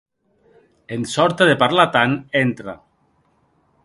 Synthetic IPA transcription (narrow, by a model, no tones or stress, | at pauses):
ensɔɾt̪eðepaɾlat̪anent̪ɾa